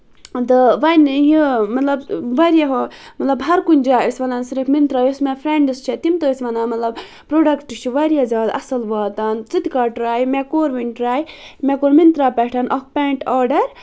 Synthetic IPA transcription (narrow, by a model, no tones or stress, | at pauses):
t̪ɨʋɐnjimɐt̪lɐbʋɐɾijaɦomɐt̪lɐbɦɐɾkund͡ʒaːəsʋɐnansiɾifʰmint̪ɾaːjosmɛpʰɾeɳɖɨst͡ʃʰet̪imt̪oəsʲʋɐnaːnmɐt̪lɐb | pɾoːɖɐkʈt͡ʃʰiʋɐɾijazʲaːd̪ɐsɐlʋaːt̪ant͡sɨt̪kaʈɾaːjmɛkoːɾʋinʈɾaːjmɛkoːɾmint̪ɾaːpɛʈʰɐnʔɔkpeːɳʈɔːɾɖɐɾ